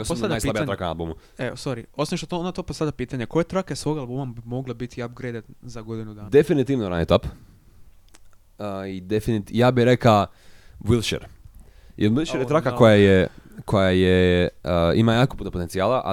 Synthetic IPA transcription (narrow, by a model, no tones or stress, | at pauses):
osposaajspːabiat̪akana̰lbumu | esoɾiosimʃt̪ot̪onat̪opasad̪apiːt̪aɲeko̞jet̪ɾakasʋo̞ɡalˠbumabimo̞ɡlabit̪iab̚ɡɾejd̪at̪zaɡo̞d̪inud̪aːd̪efinit̪iːʋnoɾanjit̪op | id̪efinit̪jaːbiɾeka | ʋilˠʃḛɾ | jʔeɾʋilˠʃeɾjet̪ɾakakojajekʰojajeəimajaːkopunopo̞t̪ent̪sijaːlaʔa̰